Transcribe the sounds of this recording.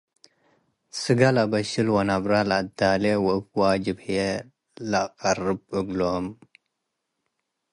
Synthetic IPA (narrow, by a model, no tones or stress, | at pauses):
sɨɡalabɐɕilwɐnabɾalad̪aːlewopwaːd͡ʒibje | laqaɾɨb̚əɡlom